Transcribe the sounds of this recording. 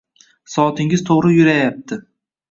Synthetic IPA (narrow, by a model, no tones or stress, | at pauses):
sɒt̪ʰɪŋɪzt̪ʰoʁɾɪjʊɾajap̚t̪ʰɪ